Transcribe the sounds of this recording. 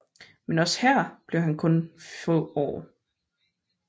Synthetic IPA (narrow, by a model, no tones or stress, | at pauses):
menɒ̽shæɐ̰b̥le̝ʊɦænkʰɔ̽nfɔ̰ɒ̰ː